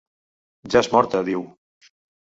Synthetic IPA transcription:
ʒaezmɔɾt̪əðiw

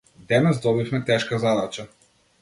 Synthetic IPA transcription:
d̪ɛnɛzd̪ɔbifmɛt̪ɛʃkazad̪at͡ʃa

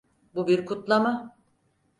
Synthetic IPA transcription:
bubiɾkʰut̪lˠama

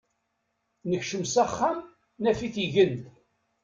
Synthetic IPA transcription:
nəçʃəmsæχːam | næfiθiʝənd̪

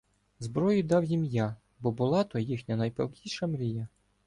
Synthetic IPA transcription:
zbɾɔjʊd̪ɑwjimja | bɔbʊlˠɑt̪ɔjixnʲɐnɐjpɛ̰lˠkʲiʃɐmɾʲijɐ

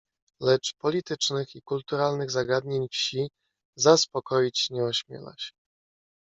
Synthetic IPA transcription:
lɛt͡ʂpɔlʲit̪ɘt͡ʂnɘxikult̪uɾalnɘɣzaɡad̪ɲeɲfɕi | zaspɔkɔjit͡ɕɲɛɔɕmʲjɛ̰la̰ɕ

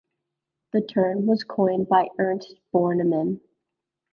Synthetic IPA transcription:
ðɨtʰɜ̃˞nwʌz̥kʰɔ̃ɪ̃nbaɪɜ̃˞nb̥ɔɹnɨmɨ̃n

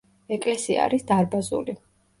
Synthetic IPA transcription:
ɛkʼlɛsia̰ɾisd̪aɾbazṵli

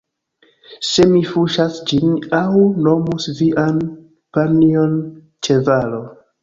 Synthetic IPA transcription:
se̞mifuʃasd͡ʒinawno̞musviʔan | panio̞n | t͡ʃe̞valo̞

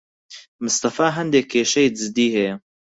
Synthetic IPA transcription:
mɨst̪ɐfaːɦɐnd̪ekʰːeːʃɐjd̪zɨd̪iːhe

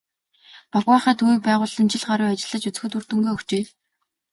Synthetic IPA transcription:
pɔkwaːχæːt̪ʰuiːk̚pæːʁʊːɮə̆nt͡ɕɪ̆ɮχaɾiːat͡ɕɪ̆ɮə̆t͡ɕut͡sɘ̆xɵ̆t̪ur̥t̪ɵ̆ŋɡoːɵxt͡ɕeː

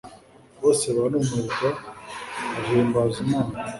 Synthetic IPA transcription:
boːseβanumuɾɡaː | ʒeːmbaːzimaːna

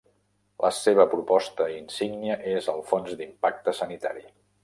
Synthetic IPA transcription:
lʔə̰seβ̞əpɾupɔst̪əinsiɡniəʔezəlˠfonzd̪impak̚t̪əsənit̪a̰ɾi

